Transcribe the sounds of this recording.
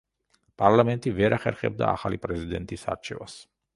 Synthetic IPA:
pʼaɾlamɛnt̪ʼivɛɾaχɛɾχɛ̰b̚d̪aːχalipʼɾɛzid̪ɛnt̪ʼisa̰ɾt͡ʃʰɛvas

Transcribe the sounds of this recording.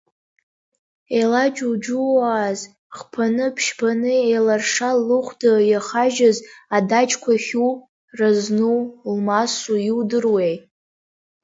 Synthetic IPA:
elad͡ʒud͡ʒuaːz | χpʰanɨpʰʃpʰanɨelarʂalːɨχʷdajaχaʒazadat͡ʃʰʼkʷʰaχʲu | raznulmasujiwdɨrwej

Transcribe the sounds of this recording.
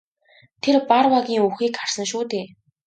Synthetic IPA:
t̪ʰerparwaɣʲiːŋuxiːkːar̥sə̆ŋʃuːt̪eː

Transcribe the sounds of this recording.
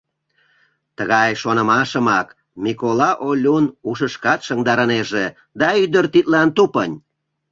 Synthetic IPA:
t̪əɣɑjʃonəmɑʃəmɑk | mʲikolɑʔolʲunuʃəʃkɑt̪ʃəŋd̪ɑɾəneʒe | d̪ɑyd̪ərt̪it̪lɑnt̪upənʲ

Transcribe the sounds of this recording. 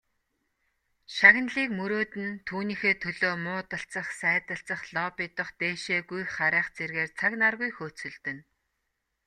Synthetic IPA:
ʃaɣ̆nɮiːkmɵɾoːt̪ɘ̆nt̪ʰuːniːxeːt̪ʰɵɮoːmʊːt̪ə̆ɬt͡sə̆χsæːt̪ə̆ɬt͡sə̆χɮɔpit̪ə̆χt̪eːʃeːɣujχaɾæːχt͡serɣeːrt͡sʰaknarɣujxoːt͡sɵ̆ɮt̪ɵ̆n

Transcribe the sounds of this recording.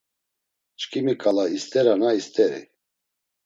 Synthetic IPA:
t͡ʃkʰʼimikʼalaist̪ʼɛɾanaist̪ʼɛɾḭ

